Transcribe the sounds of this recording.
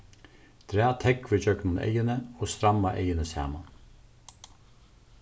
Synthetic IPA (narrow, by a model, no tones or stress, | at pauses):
d̪̥ʰɾæːt̪ʰɛkʋɪd͡ʒœknʊnḛɪjənəoːst̪ɾɑmɑʔḛɪjənəshæ̰ːmɑn